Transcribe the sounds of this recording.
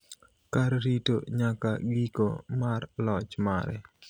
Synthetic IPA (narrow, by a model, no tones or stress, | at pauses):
kaɾɾito̰ɲaka̰ɡiko̰marlɔt͡ʃma̰ɾɛ̰